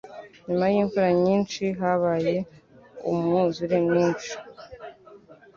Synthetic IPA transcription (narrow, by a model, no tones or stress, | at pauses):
ɲimajiːɱfuɾaɲiːnt͡ʃiɦaβaːje̞ṵmŋuzuɾemɲiːnt͡ʃi̥